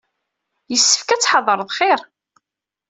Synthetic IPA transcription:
jəsːə̥fkæt͡sːħɑðˤəɾˤəðˤχɪɾ

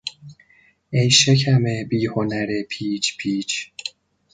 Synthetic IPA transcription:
ejʃecʰæmebiːho̞næɾepʰiːt͡ʃʰpʰiːt͡ʃʰ

